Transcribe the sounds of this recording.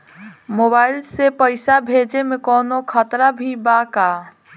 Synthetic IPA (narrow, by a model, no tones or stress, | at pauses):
moːbaːɪlsepəɪsabʱeːd͡ʒemẽkɔːnokʰət̪ɾabʱibaka